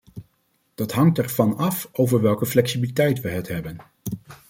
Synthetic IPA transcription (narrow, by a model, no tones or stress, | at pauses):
d̥ɑtɦɑŋtɛɹvɑnɑfowvəɹʋɛlˠkəflɛksibilitɛjtʋəɦɛtɦɛbən